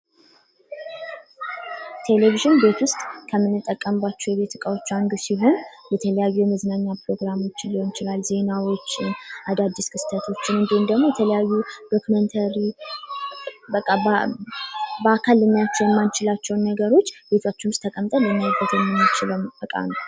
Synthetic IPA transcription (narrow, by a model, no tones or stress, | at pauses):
t̪ʰe̞le̞viʒɪnbe̞t̪wʊst̪ʼkʰəmːɨnːɨt̪ʼːəkʼːəmbat͡ʃːɛwjɛβe̞t̪ɨkʼawo̞t͡ʃːand̪usiɦo̞njɛt̪ʰələjajːujɛməznaɲːapɾo̞ɡɾamo̞t͡ʃːɪnliho̞nt͡ʃɪlalze̞nawo̞t͡ʃːɪnʔad̪ad̪ːiskʰɨst̪ʰət̪ʰo̞t͡ʃːɪnɨnd̪ihund̪əɡmo̞jɛt̪ʰələjajːud̥̪o̞kʰument̪ʰəɾi | ba | bəakʰalɨɲːat͡ʃːɛjɛmːant͡ʃɪlat͡ʃːɛwnːəɡəɾo̞t͡ʃːb̥e̞t̪ʰat͡ʃːɪnst̪ʰːəkʼəmt̪ʼələmːiabət̪ʰəmːɨnt͡ʃɪləɨkʼa̰nəw